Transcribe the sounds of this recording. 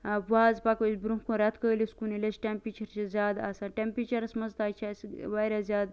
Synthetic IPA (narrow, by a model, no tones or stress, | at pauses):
puaːzpakəsʲbɾũkuɾɐt̪ʰkəːlʲiskunilʲesʈempɾit͡ʃɐɾt͡ʃizʲaːd̪a̰ːsaːʈʲempɾʲit͡ʃɐɾɐsmɐzt̪aːt͡ʃʰasʋaɾazʲjaːd̪